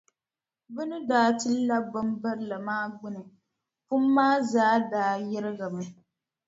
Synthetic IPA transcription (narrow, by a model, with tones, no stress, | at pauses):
bɨ˦nɨ˦daː˨˦tɨ˦la˦ba˦mba˦ɾla˨maː˦ɡ͡bʊ˦nɨ˨ | pʊ˦mː˦aː˦zaː˦daː˨˦jɛ˦ɾɪ˦ɡa˨mɨ˨